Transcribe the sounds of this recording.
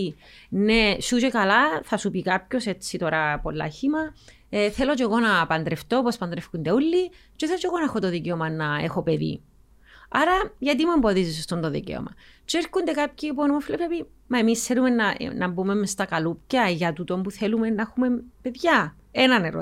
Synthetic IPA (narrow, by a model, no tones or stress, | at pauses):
i | nesut͡ʃekɐlaθɐsupikapço̞se̞t͡sːit̪o̞ɾɐpolːɐ̰çimɐ | eθelo̞t͡ʃeɣo̞nɐpɐnd̪ɾeft̪opospɐnd̪ɾefkund̪eulːit͡ʃeθelot͡ʃeɣonɐexot̪oðiceomɐnɐḛxo̞pe̞ðḭ | ɐɾɐʝɐt̪̬imue̞mbo̞ðizis̬ost̪ont̪oðḭcḛo̰mʔɐ̰ | t͡ʃeeɾkund̪ekapçiponmoflepɾepi | mɐemisθelume̞nːɐ̰nɐbume̞mest̪ɐkɐlupcɐʝɐt̪ut̪o̞mbuθelumenːɐexume̞mpeðʝɐ | enɐneɾo̰